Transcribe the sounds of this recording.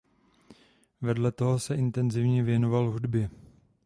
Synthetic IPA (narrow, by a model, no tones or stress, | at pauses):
vɛdlɛt̪o̞ɦosɛʔɪnt̪ɛnzɪvɲɛvjɛno̞valɦudbjɛ